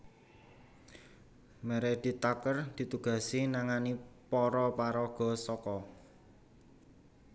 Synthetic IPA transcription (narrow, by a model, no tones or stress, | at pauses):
mɛɾɛd̪̥i̤t̪akərd̪̥i̤t̪uɡ̥a̤sinaŋanipɔɾɔpaɾɔɡ̥ɔ̤sɔkɔ